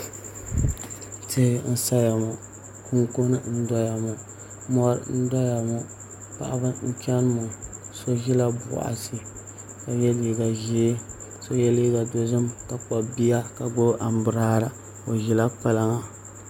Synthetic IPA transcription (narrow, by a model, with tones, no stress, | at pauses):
tɪ˦˨n̩˦sa˦ja˨mu˨ | kʰu˦ŋko˦nɨ˦n̩˦dɔ˦ja˨mʊ˨ | mɔ˦ɾ̰n̩˦dɔ˦ja˨mu˦ | pa̰˨ʔa˦ba˦ɲ̩˦t͡ʃɛ˦n˦mʊ˨so˦ʒi˦la˦ba̰˨ʔa̰˨si˦ | ka˨jɛ˦li˦ɡa˨ʒi˦ | so˦jɛ˦li˦ɡa˨do˨zɨ˦mka˨k͡pa˨bi˦ja˦ka˨ɡ͡bo˦ʔa˨m˦bʊ˨ɾaː˦ɾa˨ | o˨ʒi˨la˦k͡pa˨la˦ŋa˨